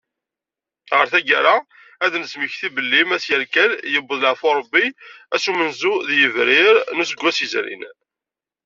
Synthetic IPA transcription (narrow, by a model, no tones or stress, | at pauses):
ʁəɾθæɡæ̰ɾa | æðnəsməçθibəlːimæsjəɾkæljəbːəðˤləʕfoɾˤəbːiæsumənzuðjəvɾɪɾnusəɡʷːæsəzɾḭn